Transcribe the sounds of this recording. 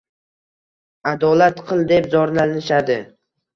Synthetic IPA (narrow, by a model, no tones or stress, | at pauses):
ad̪ɒlat̪qʰɨlˠd̪e̞pzɒɾnalɪʃad̪ɪ